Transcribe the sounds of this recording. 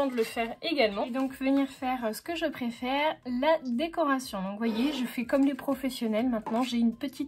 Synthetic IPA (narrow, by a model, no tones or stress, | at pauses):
ɑ̃d̪ələfɛʁeɡalmɑ̃d̪ɔ̃kvəniʁfɛʁsə̥kəʒəpχefɛʁlad̪ekɔʁasjɔ̃d̪ɔ̃kvwajeʒəfɛkɔmlepχɔfɛsjɔnɛlmɛ̃t̪nɑ̃ʒeynpət̪ʰit̪̚